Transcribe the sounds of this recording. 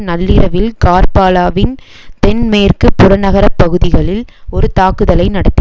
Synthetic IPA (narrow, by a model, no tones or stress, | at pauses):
nɐlːɪɾɐʋɪlkaːrpaːlaːʋɪn | t̪ɛnmeːrkɯpːʊɾɐnɐɣɐɾɐpːɐɣɯðɪɣɐɭɪlɔɾɯt̪aːkɯðɐlɐɪnɐɽɐt̪ːɪ